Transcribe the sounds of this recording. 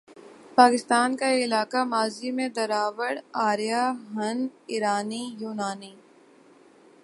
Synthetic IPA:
paːkɪst̪aːnkaɪlaːkamaːzimẽd̪ɐɾaːʋəɽaːɾijaɦɐ̃nɪɾaːnijuːnaːni

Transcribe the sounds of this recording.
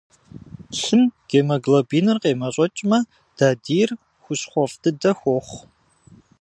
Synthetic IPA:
ɬɨmɡ̥eːmɐɡlɐbiːnɨrqeːmɐɕʼɔt͡ʃʼmɐ | d̥aːdiːr | xʷʊɕχʷɔfdɨdɐxʷɔχʷ

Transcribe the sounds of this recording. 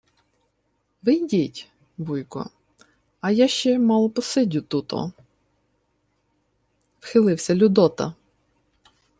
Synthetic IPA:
ʋɪjdʲitʲ | bujkɔ̰ | ɐjaʃt͡ʃɛmɑlˠɔpɔsɪdʲʊt̪ut̪ɔ̰ | wxɪlˠɪwsʲɐlʲʊd̪ɔt̪ɐ̰

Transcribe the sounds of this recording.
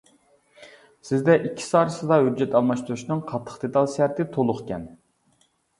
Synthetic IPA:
sɪzd̪ɛʔikʲʰːi̥sɑːɾɨsɨd̪ɑhyd͡ʒːɛt̪ɑlˠmɑʃt̪uɾuʃnɨŋqʰɑt̪ʰːə̥χd̪et̪ɑlˠʃæɾt̪ɪt̪ʰolˠʊχkʲɛ̰n

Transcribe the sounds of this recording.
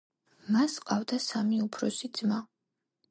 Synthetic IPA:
masqʼavd̪asamiupʰɾɔsid̪zma

